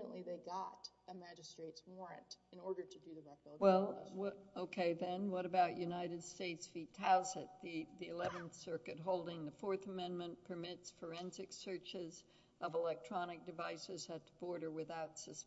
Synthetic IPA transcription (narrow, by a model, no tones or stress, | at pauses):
ə̃nʔliðeɪɡɑɾɨmæd͡ʒɨstɹ̥eɪtswɔɹɨ̰̃ntɨ̃nɔɹɾə˞ɾɨdɨðɨɹɛkˠwɛlˠwoʊkʰeɪðɨ̃nwʌɾɨbaʊt͡ʃjʉnaɪɾɨd̥steɪtsfitʰæzɨt̪̚ðiðiɨlɛvɨ̃nθsɜ˞kɨt̚ɦoʊlˠdɪ̃ŋðɨfɔɹθəmɛ̃nmɨ̃npʰə˞mɪtsfə˞ɛ̃nzɨksɜ˞t͡ʃɪz | ʔʌvəlɛk̚tʰɹ̥ɑnɨk̚d̥ɨvaɪsɨz̥ɨtʰəb̥ɔɹɾə˞wɨθaʊtsɨs